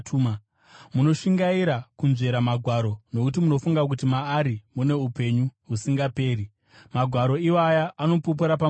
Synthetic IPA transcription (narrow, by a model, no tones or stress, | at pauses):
tːma | muno̞ʃiŋɡaiɾakunʐe̞ɾamaɡʱwaɾo̞no̞kut̬imuno̞fuŋɡak̬utimaːɾimune̞upe̞ɲuɦusiŋɡape̞ːɾi | maɡʱwaɾo̞iwajaːno̞pop̬uɾapa